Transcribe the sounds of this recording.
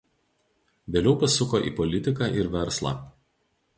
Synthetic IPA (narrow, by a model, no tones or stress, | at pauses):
ʋʲeːlʲɛʊpɐsʲʊkoːʔḭːpɔlʲɪt̪ʲɪkɑˑʔɪɾʋʲɛɾslˠɑ̰ːˑ